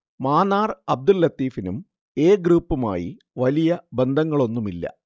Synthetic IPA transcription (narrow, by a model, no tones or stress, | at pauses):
maːnaːrɐb̚d̪ulːɐt̪ːiːfinum | e̞ːɡruːpːuma̰ːji | ʋɐlijɐbe̞nd̪ʱɐŋːɐɭo̞nːumilːɐ̰